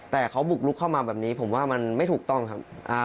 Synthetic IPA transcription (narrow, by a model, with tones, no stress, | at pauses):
t̪ɛː˨˩kʰa˦˥wbu˨˩k̚lu˦˥kʰːa˥˩wmaː˧bɛː˨˩p̚niː˦˥pʰo˩˦mwaː˥˩ma˧nma˥˩jt̪ʰuː˨˩k̚t̪ɔ˥˩ŋkʰa˦˥p̚ʔa˧